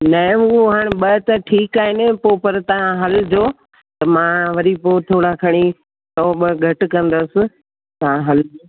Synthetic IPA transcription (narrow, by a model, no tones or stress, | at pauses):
nɐɪ̃uɦaːɽ̃̆ɓɐt̪ɐʈʰiːkaːɦenɪpoːpɐɾt̪ɐɦãɦɐld͡ʑoː | t̪ɐmãːʋɐɾipoːt̪ʰoːɽakʰɐɽ̃i | t̪ɔːɓəɡʱɐʈkɐ̃nd̪əsɪ̆ | t̪ɐʋãɦɐlo